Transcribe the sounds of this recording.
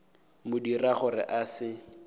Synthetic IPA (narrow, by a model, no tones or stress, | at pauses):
mʊdiraχʊrɪ̰ʔasɪ